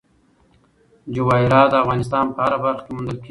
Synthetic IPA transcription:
d͡ʒowɑiɾɑːd̪əafɣɑːnɪst̪ɑːnpəhaɾabaɾxkemʊnd̪əlkʰ

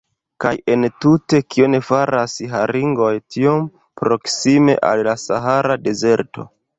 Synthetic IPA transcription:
kaje̞ntute̞kʰio̞ne̞faɾasɦaɾiŋɡo̞jtʰio̞m | pɾo̞ksime̞̰ʔa̰lːasaɦaɾade̞ze̞ɾto̞̰

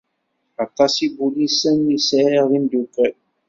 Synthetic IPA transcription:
ɑt̪ɑsibulisənːisæʁind̪ukə

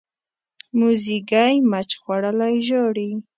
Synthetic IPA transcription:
muziɡajmat͡ʃxwaɽəlajʒoɽi

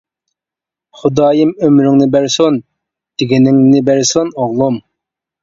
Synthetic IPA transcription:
χʊd̪ɑːjimømɾɪŋnɪbæɾson | d̪̥ɪɡʲinɪŋnɪbæɾsonoʁlˠum

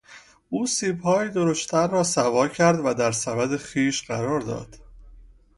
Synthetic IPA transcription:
ʔuːsiːbhɒːjiːd̪oɾoʃt̪t̪ʰæɾːɒːsævɒːcʰæɾd̪væd̪æɾsævæd̪e̞xiːʃɢæɾɒːɾd̪ɒ̰ːd̪̥

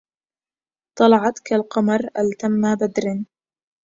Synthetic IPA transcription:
t̪ˤɑlɑʕɑt̪kalqɑmɑɾˤʔalt̪amːabad̪ɾɪn

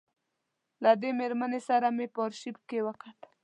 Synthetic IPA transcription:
lad̪emeɾmanesaɾamepɔɾʃip̚kewəkat̪

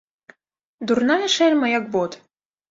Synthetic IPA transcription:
d̪urnajɐʂɛlʲmɐjak̚bɔt̪

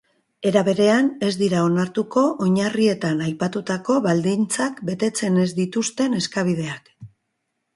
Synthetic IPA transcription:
e̞ɾaβe̞ɾe̞ane̞zd̪iɾao̞naɾt̪uko̞ʔoɲarie̞t̪anajpat̪ut̪ako̞βald̪int͡sakbe̞t̪e̞t͡se̞ne̞zd̪it̪ust̪e̞ne̞skaβ̞ið̞e̞ak

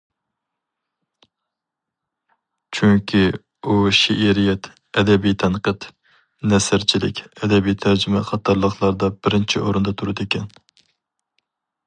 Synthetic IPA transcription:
t͡ʃʰyŋkʲʰi | uʃiʔiɾijɛt̪ | ɛd̪ɛbijt̪ʰɛnqət̪ | nɛsɪɾt͡ʃʰilɪ̰kʲʰɛd̪ɛbijt̪ʰæɾd͡ʒymɛχʰɑt̪ʰɑɾlˠəχlˠɑɾd̪ɑbɪɾɪnt͡ʃʰiʔoɾɨnd̪ɑt̪ʰuɾɨd̪ekʲɛn

